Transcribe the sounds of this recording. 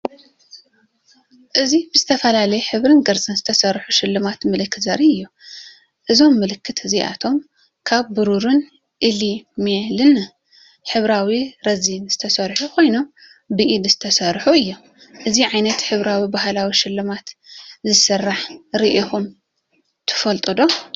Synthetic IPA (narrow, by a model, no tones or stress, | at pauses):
ʔɨzibɨzɨt̪ʰɐfɐlalɐjħɨβɾɨnɡɐɾt͡sʼɨnzɨt̪ʰɐsɐɾħuʃɪlːɨmat̪mɨlɨkːɨzɐɾiɨjːu | ʔɨzo̞mːɨlɨkːɨt̪ʰɨziʔa̰t̪ʰo̞m | kʰaβːɨɾuɾɨn | ʔilimelɨn | ħɨβɾawiɾɐzinz̥ɨt̪ʰɐsɐɾħukʰo̞jno̞m | bɨʔid̪z̥ɨt̪ʰɐsɐɾħuɨjːu | ʔɨziʕajnɐt̪ħɨβɾawibahlawiʃɪlːɨmat̪zɨsɐrːaħɾiʔihum | t̪ʰɨ̥fɐlt̪ʼɨd̪o̞